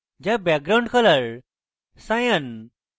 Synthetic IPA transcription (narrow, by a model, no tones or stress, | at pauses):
d͡ʑabɛk̚ɡɾaw̃ɳɖkʰələɭ | sãjən